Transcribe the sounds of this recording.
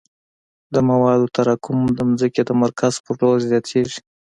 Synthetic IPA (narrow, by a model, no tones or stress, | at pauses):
d̪əmawɑd̪ot̪aɾɑkʊmd̪əmzəked̪əmaɾkʰaz̥pəɾʈolzjɑt̪ʰeʒi̥